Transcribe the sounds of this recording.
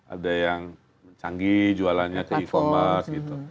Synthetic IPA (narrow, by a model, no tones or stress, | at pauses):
ʔa̰dajaŋ | məɲt͡ʃaŋɡid͡ʒualanɲat̪elikomasɡit̪u